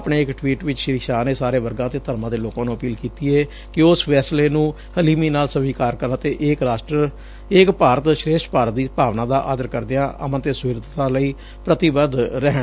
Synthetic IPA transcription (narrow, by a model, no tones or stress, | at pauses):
pɳeːɪkʈʋiːʈʋɪt͡ʃʃɪɾɪkʃaːneːsaːɾeːʋəɾɡãːt̪eːt̪əɾmãːd̪eːloːkãːnũːəpiːlkiːt̪iːɛː | kɪʊsʋɛːsleːnũː | həliːmiːnaːlsəʋiːkaːɾkəɾnãːt̪eːʔeːkɾaːsʈəɾ | eːkpaːɾət̪ʃɾeːʃʈpaːɾət̪̚d̪iːpaːʋnãːd̪aːʔa̰ːd̪əɾkəɾd̪eːãːʔə̰mə̃nt̪eːsʊʋɪɾd̪t̪ãːləiː | pɾət̪ɪbəd̪ɾɛɦəɳ